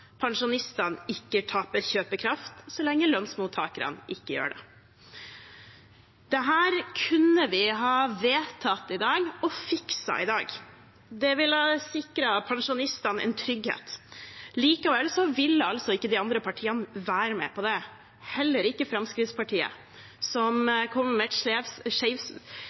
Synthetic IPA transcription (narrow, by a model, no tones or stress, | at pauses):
pʰɑŋʂʊnɪst̪ɑnɪkːəʈʰɑːpəɾçøːpəkʰɾɑft̪sɔlɛŋːəlœnsmuːt̪ʰɑːkəɾɑ̰nʔɪkːəjø̰ːɖɛ̰ | d̪ɛɦæːɾkʰʉnːəʋɪɦɑːʋeːt̪ʰɑt̪ːɪd̪ɑːɡɔfɪksɑ̰ɪd̪ɑ̰ːɡ | d̪ɛʋɪlɑsɪkɾɑpʰɑŋʂʊnɪst̪ɑnʔɛ̰nt̪ʰɾʏɡhḛːt̪liːkɑʋɛlsɔʋɪlːəɑlsɔɪkːəd̪ɪɑnd̪ɾəpʰɑʈʰiːɑnəʋæːɾəmɛ̰pʰɔd̪ɛ | hɛlːəɾɪkːəfɾɑmskɾɪt̪spɑʈʰiːə̰ | sɔmkʰɔmːəmɛt̪ʂɛfsʂɛɪʋs